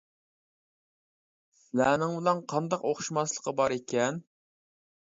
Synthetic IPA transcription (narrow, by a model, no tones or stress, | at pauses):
slænɪŋbɪlɛnqʰɑnd̪ɑqoχʃumɑslˠə̥qɑbɑɾekʲʰɛn